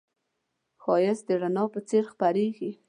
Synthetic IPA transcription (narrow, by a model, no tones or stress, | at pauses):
xɑjɪsd̪əɾanɑpət͡seɾxpaɾeɡi